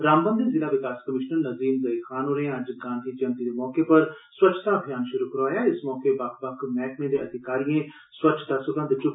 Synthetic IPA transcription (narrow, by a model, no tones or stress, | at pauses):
ɾaːmbə̃nd̪ənzɪlaːʋɪkaːskəmɪʃnəɾnəziːmzəixʰaːnɦoːɾẽəd͡ʒɡãːnd̪ʱiːt͡ʃənt̪id̪eːmɔːkeːpəɾ | swətt͡ʃʃʰt̪aːəbʱijaːnʃʊɾuːkəɾaːjaːɪsmɔːkebɐkʰbəkʰmɛːkmẽːd̪eəd̪ʱɪkaːɾijẽː | swət͡ʃʰt̪aːsʊbə̃nd̪t͡ʃʊ